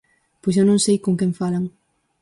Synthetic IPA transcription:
pojsewnõŋsejkõŋkɛ̃ɱfalaŋ

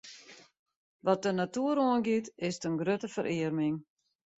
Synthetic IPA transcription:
ʋɔt̚dənatuəɾoənɡitɪstənɡrøtəfəɾʔɪərmɪŋ

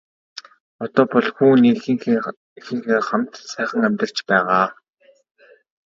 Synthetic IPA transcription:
ɔt̪ɔːpɔɮxuːniːx | xɘ̆ŋxeːχamt̪sæːχə̆ŋæmʲt̪ə̆r̥t͡ɕpæːʁaː

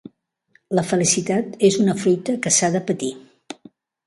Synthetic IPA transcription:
ləfəlisit̪at̪ezunəfɾujt̪əkəsaðəpət̪i

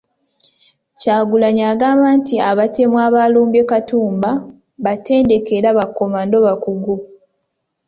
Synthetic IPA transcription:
caːɡulaɲaːɡaːmantiaβate̞mwaːβaluːmbekatuːmba | βate̞ːnde̞ke̞ɾaβakomando̞βakuɡu

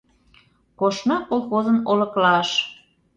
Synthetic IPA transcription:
koʃnɑkolˠxozənolə̆klɑʃ

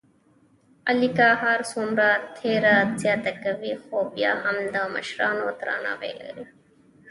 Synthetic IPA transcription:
ɐlikaːɦaːɾsoːmɾaːt̪ʰːeːɾaːt̪zjaːt̪ɐkɐʋiːxoːbija̰ːhɐmd̪amɐ̰ʃɾaːnoːt̪ɾa̰ːna̰ːʋḛːlə̰ɾi

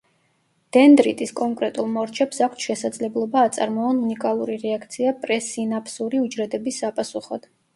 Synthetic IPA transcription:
d̪̥ɛnd̪ɾit̪ʼiskʼɔŋkʼɾɛt̪ʼulˠmɔɾt͡ʃʰɛpsakʷʰt̪ʃɛsad̪zlɛblˠɔbaːt̪sʼa̰ɾmɔɔnunikʼalˠuɾiɾɛakʰt̪sʰiapʼɾɛsinapʰsuɾiud͡ʒɾɛd̪ɛbisapʼasuχɔ̰d̪̥

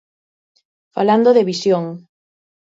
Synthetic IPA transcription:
faland̪oðeβisjoŋ

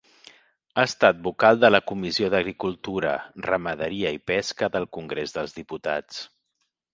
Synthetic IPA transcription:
aːst̪at̪̚bukalˠd̪ələkumizioðəɣɾikulˠt̪uɾə̰rəməð̞əɾiəipɛskəðəlˠkuŋɡɾezðəlˠzðiput̪a̰t͡s

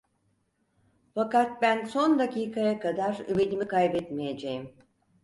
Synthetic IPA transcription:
fakat̪̚bænso̞nd̪aciːkʰajakad̪aɾybed̪imikajbɛt̪mijed͡ʒejim

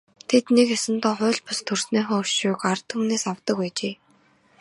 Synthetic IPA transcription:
t̪ʰet̪nekesɘ̆nt̪ɔːχʊ̟ːɮpʊst̪ʰɵrsneːχɔːɵʃʊːkart̪ʰumneːsawt̪ə̆kpæːt͡ɕeː

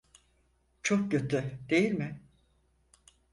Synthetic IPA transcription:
t͡ʃʰok̚cøt̪ʰyd̪e̞jilʲmɪ

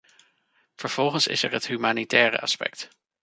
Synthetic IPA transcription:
v̥əɹv̥ɔlˠχənsɪ̰sɛɹɦətɦymaːnitɛːrə̰ɑ̰spɛ̰k̚t

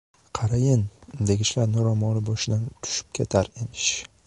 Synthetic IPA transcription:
qʰɑɾajɪnd̪eɡʲɪʃlaɾnʊɾɒmɒlˠɪbɒʃɪd̪ant̪ʰʊ̥ʃɪ̥p̚kʲʰet̪ʰaɾemɪʃ

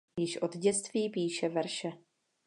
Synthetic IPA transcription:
jɪʃʔod̪ɟɛt͡st̪viːpiːʃɛvɛɾʃɛ

